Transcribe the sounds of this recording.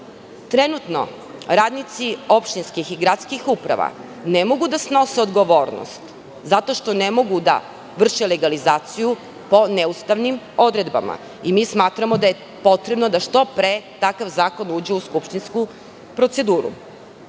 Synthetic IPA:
t̪ɾenut̪no̞̰ | ɾaːd̪nit̪sio̞pʃt̪inskixiɡɾat̪skixupɾa̰ʋa̰ | nemo̞ɡud̪asno̞seod̪ɡo̞ʋo̞ːɾno̰st̪ | zat̪o̞ʃt̪o̞nemo̞ɡud̪a̰ | ʋr̩ʃeleɡalizaːt̪siju | po̞neust̪aʋnim | o̞d̪ɾe̞d̪ba̰ma̰ | imismaːt̪ɾamo̞d̪aje̞ | po̞t̪ɾe̞bno̞d̪aʃt̪o̞pɾet̪akaʋzaːko̞nuːd͡ʑeuskupʃt̪insku | pɾo̞t̪se̞d̪uːɾṵ

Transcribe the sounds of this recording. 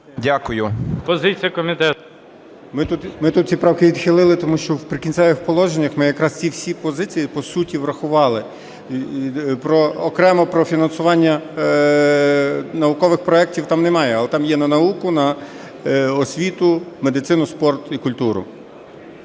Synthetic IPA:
dʲakʊjʊpɔzɪt͡sʲijɐkɔmʲit̪ɛt̪ʊ | mɪt̪ut̪mɪt̪ut̪̚t͡sʲipɾɑwkɪʋʲid̪xɪlˠɪlˠɪt̪ɔmuʃt͡ʃɔwpɾɪkʲinʲtsɛʋɪxpɔlˠɔʒenʲːɐxmɪjɐkɾɑst͡sʲiwsʲipɔzɪt͡sʲijipɔsutʲiʋɾɐxʊʋɑlˠɪ | pɾɔːkɾɛmɔpɾɔfʲinɐnsʊʋɑnʲːɐ | nɐʊkɔʋɪxpɾɔɛk̚tʲiwt̪ɑmnɛmɑjɛɐlˠɛt̪ɑmjɛnɐnɐukʊnɐ | ɔsʲʋʲit̪ʊme̞d̪ɪt̪sɪnʊspɔrt̪ʊikʊlʲt̪uɾʊ̰

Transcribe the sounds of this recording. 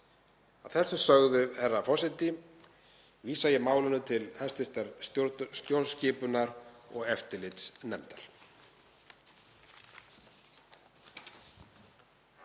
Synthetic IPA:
aðθɛsːʏsœɣðʏɛɾafɔ̥sɪt̪ɪ | viːsajɛmaːwlɪnʏt̪ʰɪlhɛst̪ʏr̥t̪aɾst̪ɾst̪jowɾscɪːpʏnaɾɔ̰ɣɛft̪ɪlɪt̪snɛmt̪al̥

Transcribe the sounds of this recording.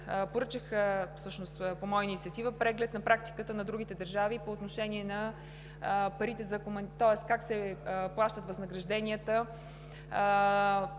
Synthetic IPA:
poɾət͡ʃəxfsɤʃnost̪pomɔjəinit̪siət̪ivəpɾɛɡlɛt̪nɐpɾak̚t̪i̥kət̪ənɐd̪ɾuɡ̟it̪ɛd̪əɾʒavipoːt̪noʃɛniɛnɐ | pɐɾit̪ɛzɐkomɐnt̪ɔɛskaksɛplˠaʃt̪ət̪vɐznəɡɾɐʒd̪ɛnʲiət̪ə

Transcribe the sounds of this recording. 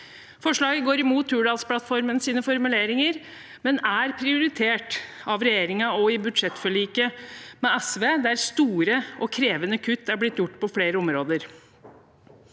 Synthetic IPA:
fɔʂɭɑːɡəɡoːɾɪmuːt̪ʰːʉːɖɑːlspʰlɑt̪fɔɾmənsiːnəfɔɾmʉleːɾɪŋəɾ | mɛnæɾpʰɾɪʊɾɪt̪ʰeːʈɑʋɾɛjeːɾɪŋɑɔɪbʉd̪ʂɛt̪ːfɔɭiːkəmɛɛsʋeːd̪æɾst̪uːɾəʔɔkʰɾeːʋənəkʰʉt̪ːæɾblɪt̪ːjʊʈːpʰɔfleːɾəɔmɾoːd̪əɾ

